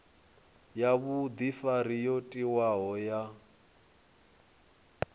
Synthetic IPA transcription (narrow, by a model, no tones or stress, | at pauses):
jaβud̪ifaɾijotʼiwaɦɔja